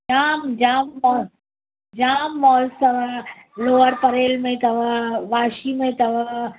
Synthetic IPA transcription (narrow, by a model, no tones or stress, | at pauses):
d͡ʒaːmd͡ʒaːmːɔ | d͡ʒaːmːɔːst̪ɐʋloːəɾpɐɾeːlmẽt̪ɐʋʋaːʃimẽt̪ɐʋ